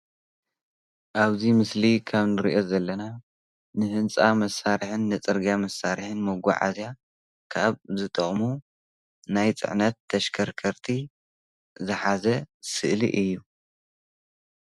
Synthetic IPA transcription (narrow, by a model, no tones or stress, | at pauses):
ʔaβzimɨslikʰaβnɨɾiʔo̞zɐlːɐna | nɨhɨnt͡sʼamɐsːaɾħɨnːɨt͡sʼɨɾɡamɐsaɾħɨnmɐɡʷa̰ʕa̰zja | kʰaβzɨt̪ʼɐχʼmu | najt͡sʼɨ̰ʕnɐt̪ʰːɐʃkʰɐɾkʰɐɾt̪ʰi | zɨħazɐsɨ̰ʔlḭʔɨjːu